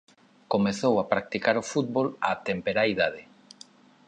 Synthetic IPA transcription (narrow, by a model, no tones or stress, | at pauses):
komeθowapɾak̚t̪ikaɾʊfut̪̚βolat̪empeɾaiðaðɪ